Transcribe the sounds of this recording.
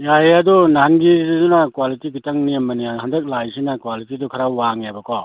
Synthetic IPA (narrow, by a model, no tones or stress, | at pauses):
jajadɔnanɡizizunakwalitiɡitaŋniamɐniaɦandɐk̚lajsinakwalitidɔkʰaɾawwaŋabakʰɔ